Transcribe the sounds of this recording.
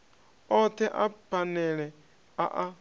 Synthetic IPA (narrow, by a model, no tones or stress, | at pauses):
ɔt̪ʰɛʔapʰanɛɺɛ | a̰ʔa